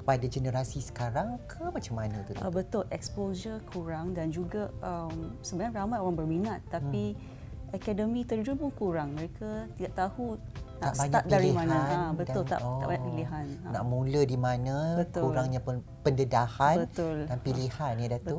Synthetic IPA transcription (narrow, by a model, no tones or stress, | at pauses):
kə̥padad͡ʒənəɾasisə̥kaɾaŋkʰəmat͡ʃamːanãt̪ut̪abət̪ʊlʔɛkspold͡ʒəkʰuɾaŋdand͡ʒuɡaəmsəbənaŋramajoɾaŋbərminat̪ːai | akadəmĩt̪ərd͡ʒupʊnkuɾaŋməɾekat̪idaʔt̪ahu | naaʔsbaɲat̪̚dalɾimãnãaanbətdaʊlt̪a̰ʔ̪a̰ʔbaɲaʔpiliɦanana̰ʔmulədimãnãbət̪kuɾaŋɲã | pəndədahanbət̪ʊldanpilihanjadat̪bu